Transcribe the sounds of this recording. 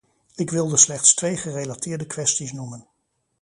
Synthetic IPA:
ɪkʋɪlˠdəslɛχtstʋejχərelatɪːɹdəkʋɛstisnumən

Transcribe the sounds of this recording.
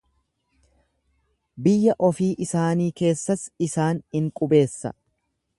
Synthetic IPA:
bɪjːɐʔɔfiːʔɪsaːniːke̞ːsːɐsɪsaːnhɪŋkʼʊbe̞ːsːɐ̰

